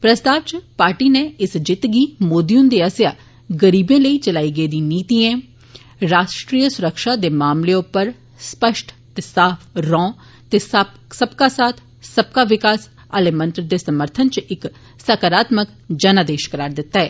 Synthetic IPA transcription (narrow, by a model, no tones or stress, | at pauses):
pɾəst̪aːʋt͡ʃpaːɾʈiːneːɪsd͡ʒɪt̪ɡiːmoːd̪iʊnd̪eːəsjaː | ɡəɾiːbẽːləiːt͡ʃəlaːiːɡeiːd̪ĩːniːt̪iːẽː | ɾaːʃʈɾiːəsʊɾəkʃaːd̪eːmaːmleːʊpːəɾ | spəʃʈʰ | t̪eːsaːpʰɾɔ̃ː | t̪eːs | səbkaːsaːt̪ʰ | səb̚kaːʋɪkaːs | əlẽːmə̃nt̪ɾd̪eːsəməɾt̪ʰənt͡ʃɪk | səkəɾaːt̪mək | d͡ʒənaːd̪eːʃkəɾaːɾd̪ɪt̪ːaːɦɛː